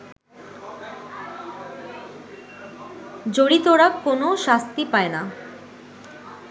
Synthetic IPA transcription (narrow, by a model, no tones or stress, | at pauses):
d͡ʑoɽit̪oɽakonoʃast̪ipaena